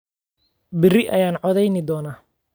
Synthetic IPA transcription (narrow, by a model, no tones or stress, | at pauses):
bɪrɪʔɐ̰jaːnʕɔðɛjnɪd̪ɔːnaː